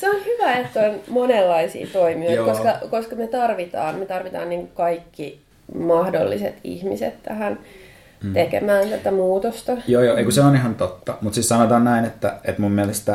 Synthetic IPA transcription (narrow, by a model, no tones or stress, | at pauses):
seonhyʋæet̪koonmonelːɑisḭːt̪oimiojkoskɑkoskɑmet̪ɑrʋit̪ɑ̰ːnmet̪ɑrʋit̪ɑ̰ːnniːŋkukɑikːi | mɑhdo̰lːisḛt̪ḭhmisḛt̪tæhæn | ekḛmæːnselt̪æmuːt̪ost̪ɑjoːjoːeikuseonihɑnt̪ot̪ːɑmut̪sissɑnot̪ɑːnnæinet̪ːæet̪mummiælest̪æ